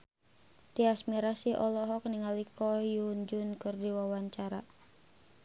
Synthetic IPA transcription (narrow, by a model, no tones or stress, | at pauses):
t̪iasmiɾasiʔɔlɔɦɔk̚niŋalikɔjuɲd͡ʒʊnkɨrdiwawaɲt͡ʃaɾa